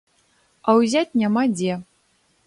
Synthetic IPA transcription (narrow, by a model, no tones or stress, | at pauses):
awzʲat̚ʲnʲamadʲe